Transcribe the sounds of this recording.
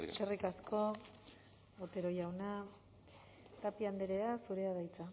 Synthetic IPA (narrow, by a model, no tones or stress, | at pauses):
ʃerikasko̞ | ot̪e̞ɾo̞jawna | t̪apiand̪eɾe̞asuɾe̞aðajt͡sa